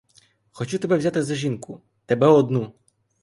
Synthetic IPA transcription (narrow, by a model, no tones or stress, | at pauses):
xɔt͡ʃut̪ɛbɛwzʲat̪ɪzɐʒʲinkʊ | t̪ɛbɛɔd̪nu